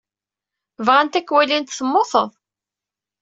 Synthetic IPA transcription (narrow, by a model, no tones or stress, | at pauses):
vʁant̪ækːwælint̪θəmːoθəðˤ